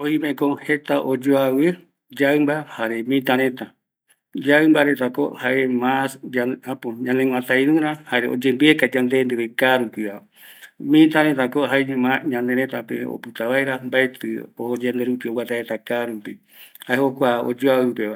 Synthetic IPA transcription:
oimekohet̪aʔod͡ʒoawɨ | d͡ʒaɨmbahaɾemĩt̪ãɾẽt̪a | d͡ʒaɨmbaɾe̞t̪ako̰haʔemasaapoɲãneŋʷãt̪ajɾɨ̃ɾãhaɾeo̰d͡ʒembiekad͡ʒãnd̪end̪eβekaɾukʷiβa | mĩt̪ãɾẽt̪akoɦaeɲɨ̃mãɲãnd̪eɾẽt̪apḛo̰pɨt̪aβaeɾambaet̪ɨood͡ʒend̪eɾupiowat̪aet̪akaɾupi | haehokʷao̰d͡ʒoawɨpeβa

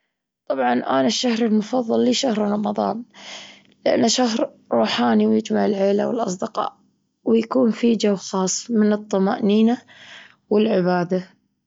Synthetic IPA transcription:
t̪ˤɑbʕɑnʔa̰ːnaʃːahɾɪlmʊfɑðˤːɑlːiːʃahɾɾˤɑmɑðˤɑ̰ːn | lɪʔa̰nːaʃaɦɾ | ɾˤuːħaːniwjɪd͡ʒmaʕɪlʕeːlawɪ̰lʔɑsˤd̪ɪqɑ̰ːʔ | wɪjakuːnfid͡ʒawːxɑːsˤmɪnɨt̪ˤːɑma̰ːʔniːna | wɪlʕɪbaːd̪a

